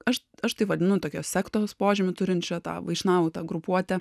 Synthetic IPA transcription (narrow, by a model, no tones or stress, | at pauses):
ɐʃ | ɐʃt̪ɐɪʋɐd̪ʲɪnʊt̪oːkʲoːsʲsʲæːkt̪oːospoːʒʲɪmʲʊt̪ʊɾʲɪnt̪t͡ʃʲɛt̪ɑ̰ːʋɐɪʃʲnɑːʋot̪ɑːɡɾʊpuɔt̪ʲɛ